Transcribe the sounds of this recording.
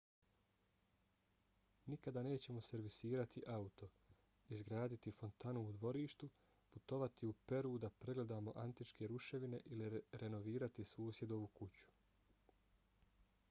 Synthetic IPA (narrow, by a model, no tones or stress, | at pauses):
nikad̪aːne̞ːt͡ɕe̞mo̞se̞ɾʋisiːɾat̪ʰiʔaut̪o̞ | izɡɾaːd̪it̪ifo̞nt̪anuud̪ʋo̞ɾiːʃt̪u | put̪o̞ʋat̪iupe̞ɾud̪apɾe̞ɡle̞d̪aːmo̞̰ʔant̪it͡ʃke̞ɾuʃe̞ʋine̞ʔiliɾe̞no̞ʋiːɾat̪isuːsje̞d̪o̞ʋukut͡ɕu̥